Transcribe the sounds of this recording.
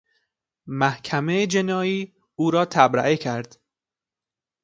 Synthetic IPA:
mæhkʰæmed͡ʒenɒːiː | uːɾɒːt̪ʰæbɾæ̰ʔecʰæɾd̪̥

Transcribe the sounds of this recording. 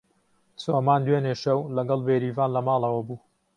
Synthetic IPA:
soːmaːnd̪weːneʃɐwlɐɡɐlˠbeːɾiːvaːnlɐmɑːlˠɐwɐbuː

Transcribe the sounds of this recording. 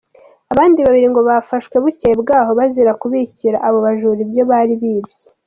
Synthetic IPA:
aβaːndiβaβiɾiŋɡo̞βafaʃkwe̞βucebɡaːɦo̞βaziɾakuβiciɾa̰ʔaβo̞βaʒuɾibjo̞βaɾiβiːbje̥

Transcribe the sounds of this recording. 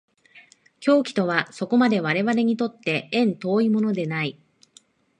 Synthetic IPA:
kʲo̞ːkʲi̥t̪o̞βaso̞ko̞mad̪e̞β̞aɾe̞βaɾe̞ɲ̟it̪o̞t̪ːe̞ẽ̞nt̪o̞ːimo̞no̞d̪e̞nai

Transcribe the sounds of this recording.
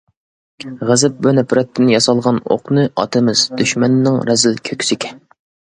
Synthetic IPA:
ʁəzɪp̚bunɛpʰɾɛt̪ʰːɪnjɑsɑlˠʁɑno̰qnɨʔɑ̰t̪ʰɨmɪz̥d̪yʃmɛnːɪŋɾɛzɪlkʲʰøkʲʰsɪkʲʰɛn

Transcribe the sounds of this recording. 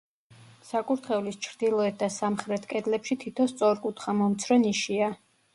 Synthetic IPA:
sakʼuɾt̪ʰχɛvlist͡ʃʰɾd̪̥ilˠɔɛt̪̚d̪asamχɾɛt̪ʰkʼɛd̪lɛpʃit̪ʰit̪ʰɔst̪sʼɔɾkʼut̪ʰχamɔmt̪sʰɾɔniʃia

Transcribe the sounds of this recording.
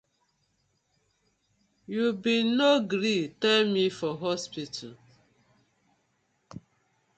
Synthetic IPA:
jubinoɡɾitɛlmifɔɦɔspitʰṵ

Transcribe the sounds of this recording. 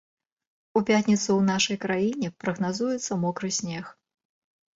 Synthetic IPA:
upʲat̪ʲnʲit̪suwnaʂɐjkɾajinʲɛpɾɐɣnazujɛt̪sːɐmɔkɾɨsʲnʲɛx

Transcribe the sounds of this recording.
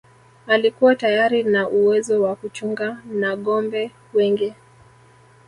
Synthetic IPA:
alikuwatajaɾinaʔuwɛzɔwakut͡ʃuŋɡanaɠɔmbɛ | wɛŋɡi

